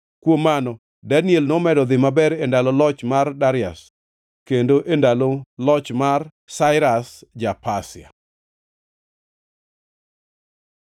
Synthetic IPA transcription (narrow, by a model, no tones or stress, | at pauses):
kwomːanɔ | dɛnjelnɔmɛdɔd̪ɪmabɛɾendalɔlɔt͡ʃmardaɾɪa̰s | kendoʔendalolɔt͡ʃmar | saɪɾasd͡ʒapasɪa̰